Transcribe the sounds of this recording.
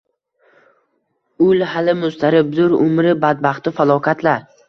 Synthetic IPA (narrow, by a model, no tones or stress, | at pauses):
ʊlhalɪmʊst̪aɾɪbzʊɾʊmɾɪbad̪̚baχt̪ɪfalˠɒkʰat̪ʰlaɾ